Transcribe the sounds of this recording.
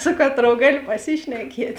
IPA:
ˈsʊ kɐˌtroːʊ ˈɡɑːlʲoː pɐˈsʲɪʃʲnʲɛkʲiɛtʲ

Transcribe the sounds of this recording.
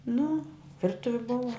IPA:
nʊ ˈʋʲɪrtʊʋʲɪ ˈbʊʋɐ

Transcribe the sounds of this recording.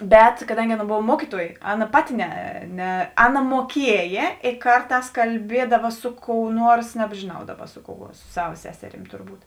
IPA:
ˈbʲɛt kɐˈdɐŋʲɡʲɪ ˈɑːˌnɐ ˈboːw ˈmuɔkʲiːˌtuɔjeː ˈɑːˌnɐ ˈpɑːˌtʲɪ ˈnʲɛ ˈnʲɛ ˈɑːˌnɐ muɔˈkʲiɛjeː eː ˈkɐrˌtɑːs kɐlʲˈbʲiɛdɐʋɐ ˈsʊ ˌkoːʊ ˈnuɔrs nʲɛbʲʒʲeːˈnɐʊ ˈdɑːˌbɐ ˈsʊ ˌkoːʊ ɐ sʊ ˈsɑːʋɐ ˈsʲæːsʲɛˌrʲiːm tʊrˈbuːt

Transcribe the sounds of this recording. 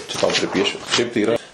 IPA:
t͡ʃʲɛ tɐʊ pʲrʲɪˈpʲiɛʃʲʊ ʃʲɛɪp tɐɪ iːˈrɐ

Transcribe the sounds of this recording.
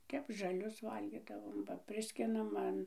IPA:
ˈtʲɛp ʒɐˈlʲʊs ˈʋɐlʲɡʲiːdɐʋoːm bɐ ˈpʲrʲɪsʲkʲɪnɐm ˈɐn

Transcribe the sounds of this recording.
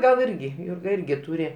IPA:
ɡɐlˠ ˈɪrʲɡʲɪ ˈjuːrɡɐ ˈɪrʲɡʲɪ ˈtuːrʲɪ

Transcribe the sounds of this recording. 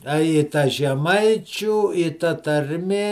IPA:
ɐ ɪ ˈtɐ ʒʲɛˈmɐɪt͡ʃʲuː ɪ tɐ tɐrʲˈmʲeː

